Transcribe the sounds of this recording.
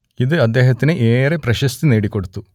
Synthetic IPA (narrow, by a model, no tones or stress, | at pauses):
id̪ɨɐd̪ːeːɦɐt̪ːinɨʔeːɾepɾɐʃɐst̪ineːɽikːo̞ɽut̪ːu